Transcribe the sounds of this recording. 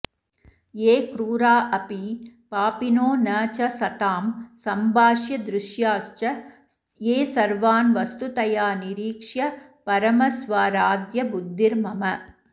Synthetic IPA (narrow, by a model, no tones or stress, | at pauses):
eːkɾuːɾaːʔɐpipaːpinoːnɐːt͡ʃɐsɐt̪aːmsɐmbʱaːʂjɐd̪ɾʊʃjaːst͡ʃɐ | eːsɐɾʋaːnʋɐst̪ut̪ɐjaːniɾiːkʂjɐ | pɐɾɐmɐsʋaːɾaːd̪jɐbud̪ːiɾmɐmɐ